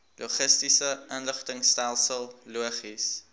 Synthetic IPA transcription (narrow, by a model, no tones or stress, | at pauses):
luəχəstisəənləχtəŋstælˠsəlˠluəχis